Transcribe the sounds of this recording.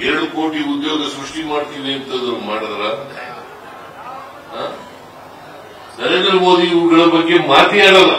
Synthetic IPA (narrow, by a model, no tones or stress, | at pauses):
eɾɐɽuko̞ːʈiud̪jo̞ːɡɐsɾuʂʈimaːɽt̪id̪eɐnt̪ɐid̪ɐɾumaːɽɐd̪ɾɐ | aː | nɐɾend̪ɾɐmo̞ːd̪iːwɡɐɭɐbɐɡːe̞maːt̪iaːɭɐlːɐ